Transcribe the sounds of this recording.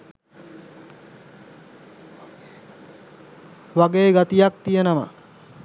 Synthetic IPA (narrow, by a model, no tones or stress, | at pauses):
ʋaɡeːɡat̪ijak̚t̪ijenəma̰